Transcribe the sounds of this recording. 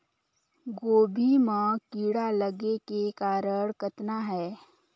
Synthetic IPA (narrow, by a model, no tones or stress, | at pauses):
ɡoːbʱimãkiːɽaləɡekekaːɾəɽkət̪naɦɛː